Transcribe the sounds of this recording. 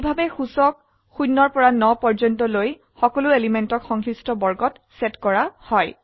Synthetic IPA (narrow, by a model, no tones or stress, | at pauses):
bʱabɛxusɔk̚ | xunːɔɹpɔɹanɔpɔɹd͡ʒɔntɔloj | xɔkɔlʊelimentɔkxɔŋkʰɹistɔbɔɹɡɔt | sɛtkɔɹahɔj